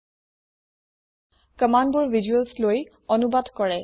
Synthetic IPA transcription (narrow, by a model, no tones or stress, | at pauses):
kəmanbuɹvʱizuəlsloj | ɔnubadkɔɹɛ